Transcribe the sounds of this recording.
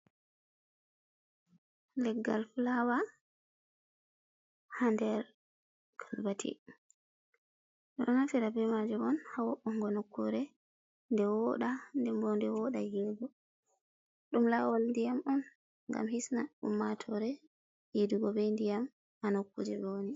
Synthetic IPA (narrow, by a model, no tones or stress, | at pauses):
lɛɡːa̰lfulawa | handɛɾ | kʰalbatʰḭ | ɗɔnnafɛdabɛmad͡ʒumɔnhawɔʔɔŋɡɔnokːuɾɛ | ndɛwɔɗandɛmbɔndɛwɔɗajidɡɔ | ɗumlawɔlndijamɔn | ŋɡa̰mhisnaɗṵmːatʰɔɾɛ | jiduɡɔbɛndijam | hanokːṵd͡ʒɛboni